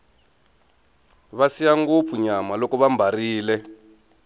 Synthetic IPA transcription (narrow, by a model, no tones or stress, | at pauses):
βasijaŋɡop̪fuɲamalɔkɔβambʱariːlɛ